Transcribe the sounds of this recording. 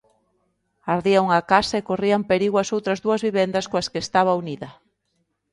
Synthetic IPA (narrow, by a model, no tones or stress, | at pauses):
aɾðiauŋakasaekoriampeɾiɣwɐsowt̪ɾɐzðuɐzβiβ̞ɛnd̪ɐskoɐskest̪aβ̞ɐuniðɐ